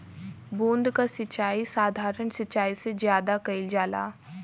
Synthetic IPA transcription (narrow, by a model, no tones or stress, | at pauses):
bũːnd̪kasɪt͡ʃaːisaːd̪ʱaːɾənsɪt͡ʃaːisezjaːd̪akɐɪld͡ʒaːla̰ː